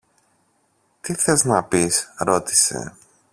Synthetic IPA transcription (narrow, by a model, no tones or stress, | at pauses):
t̪iθeznɐpisɾo̞t̪i̥se̞̰